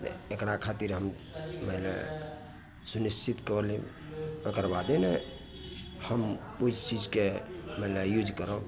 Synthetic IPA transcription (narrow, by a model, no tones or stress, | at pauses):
ekɽakʰat̪iɾɦəm | məɦlḛ | sunist͡ʃit̪kəli | əkəɾbad̪ene | həm | uist͡ʃid͡ʒkeməɦlejud͡ʒkəɾə